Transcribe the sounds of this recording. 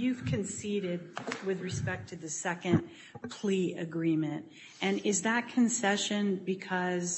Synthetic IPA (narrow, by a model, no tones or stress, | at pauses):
jʉv̥kʰɨ̃nsiɾɪd̚wɪðɹɨspɛk̚tʰɨðɨsɛkɨ̃n | pʰl̥iɨɡɹĩmɨ̃nt | ʔɨ̃nɪzðɨt̚kʰɨ̃nsɛʃɨ̃nbɨkʰʌz